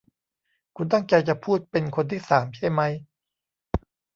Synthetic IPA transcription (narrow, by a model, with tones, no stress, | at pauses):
kʰu˧nt̪̬a˥˩ŋt͡ɕa˧jt͡ɕa˨˩pʰuː˥˩t̪̚pe˧nkʰo˧nt̪ʰiː˥˩saː˩˦mt͡ɕʰa˥˩jma˦˥j